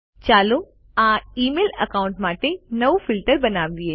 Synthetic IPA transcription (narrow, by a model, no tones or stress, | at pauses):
t͡ʃaːlo | ãːiːmeːlɐkãːʊ̃ɳʈmaːʈẽnɐufɪlʈəɾbɐnaːʋieː